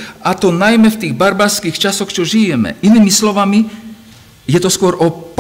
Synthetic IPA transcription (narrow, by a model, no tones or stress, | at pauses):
at̪ɔnajmɛft̪iːɣbaɾbaskiːxt͡ʃasɔxt͡ʃɔʒijɛmɛ̰ʔiniːmislɔʋami | jɛt̪ɔskʊɔɾʔɔp